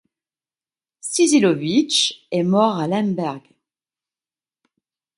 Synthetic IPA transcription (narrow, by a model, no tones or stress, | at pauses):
sizilɔvit͡ʃɛmɔʁalɛ̃nbɛʁɡ